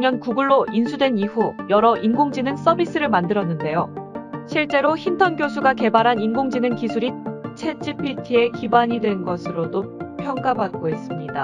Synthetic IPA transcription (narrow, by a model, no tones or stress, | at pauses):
mʌnkuɡuɭːoʔinsʰudwe̞niɸujʌɾʌʔinɡoŋd͡ʑinɯns͈ʌbis͈ɯɾɯɭmandɯɾʌnːɯnde̞joɕʰiɭt͡ɕ͈e̞ɾoçintʰʌnɡjosʰuɡake̞baɾɦaninɡoŋd͡ʑinɯnkisʰuɾit͡ɕʰe̞t͡ɕ͈ʰipʰitʰie̞kibaɲidwe̞nɡʌsʰɯɾodopʰjʌŋk͈abak̚k͈oɦe̞s͈ɯmɲida